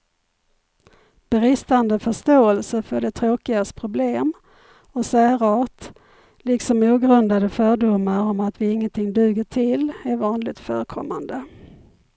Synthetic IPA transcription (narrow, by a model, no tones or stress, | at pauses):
b̥ɛɾɪst̪and̪əfœʂt̪oːɛlsəfœɖɛt̪ʰɾoːkɪɡast̪pʰɾʊbleːm | ɔsæːɾɑːt̪ | lɪksɔmuːɡɾɵnd̪ad̪əfœːɖʊmːaɾɔmat̪vɪɪŋːənt̪ʰɪŋd̪ʉ̟ːɡəʈʰɪlæɾvɑːnlɪɡ̚t̪fœ̰ːɾəkʰɔ̰mːa̰nd̪ə